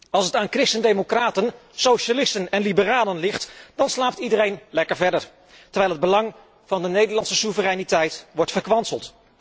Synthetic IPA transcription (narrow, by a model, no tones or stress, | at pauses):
ɑlˠsətaːnkrɪstəndejmokraːtənsowʃalɪstənɛnlibəraːlənlɪχtd̥ɑnslaːp̚tidəɾejnlɛkəɹvɛɹdəɹ | təɹʋɛjlˠɦəd̚bəlɑŋ | v̥ɑndənejdəɹlɑntsəsuvərɛjnitɛjtʋɔɹtfəɹkʋɑnsəlˠt